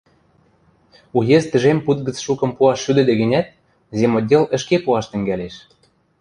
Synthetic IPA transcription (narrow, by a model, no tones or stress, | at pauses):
ujezt̪ə̆ʒemput̪̚ɡə̆t͡sʃukɤ̆mpuɑʃːyd̪ɘ̆d̪ĕɣɘ̆nʲæt̪̚ | zʲemodʲelə̆ʃkepuɑʃt̪ə̆ŋɡæleʃ